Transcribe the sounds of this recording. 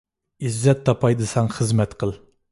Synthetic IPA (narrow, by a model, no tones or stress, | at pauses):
izːɛt̪ʰːɑpʰɑjd̪ɨsɑŋχəzmɛt̪qʰəlˠ